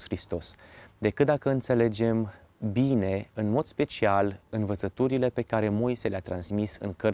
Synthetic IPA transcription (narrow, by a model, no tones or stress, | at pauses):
xɾist̪o̞sd̪e̞kɨt̪̚d̪akəɨnt̪se̞le̞d͡ʒe̞m | bine̞ɨnmo̞d̪̥spe̞t͡ʃialɨnvət̪sət̪uɾile̞pe̞kaɾe̞mo̞jseleat̪ɾansmisɨ̰ŋkə